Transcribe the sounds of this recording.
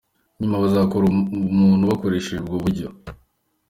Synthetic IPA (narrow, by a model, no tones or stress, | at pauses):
ɲumaβazakoɾumuːnhuβako̞ɾe̞ːʃeʒubɡoβuɾɟo̰